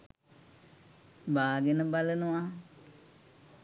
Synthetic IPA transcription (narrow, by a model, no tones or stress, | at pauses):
baːɡenəbalənua